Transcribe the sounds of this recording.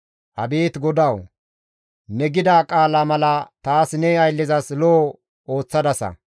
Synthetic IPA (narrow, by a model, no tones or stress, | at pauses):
ʔɐ̰beːt̪ɡɔd̪ɐw | nɛɡɪd̪aːkʼaːlamɐlɐt̪aːsnɛɐjlːɪzɐslo | o̞ːt͡sːɐd̪ɐsɐ̰